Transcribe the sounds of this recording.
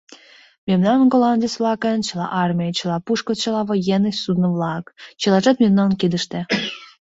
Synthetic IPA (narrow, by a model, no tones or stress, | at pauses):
mʲemnɑmənɡolɑnʲd̪ʲisvlˠɑkənt͡ɕəlˠɑ̰ʔɑrmʲijət͡ɕə̆lɑpuʃkot͡ɕɤlˠɑβɤ̆jenːəɕʲsud̪nəvlˠɑkt͡ɕə̆lɑʒɑt̪mʲemnɑmənked̪əʃt̪e